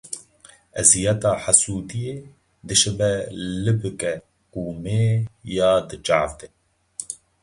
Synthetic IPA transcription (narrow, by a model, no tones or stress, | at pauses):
ɛzijɛt̪ɑːħasuːt̪ijeː | d̪ɨʃɨbɛlɨbɨkɛ | kuːmeːjɑːd̪ɨt͡ʃa̰ːvd̪e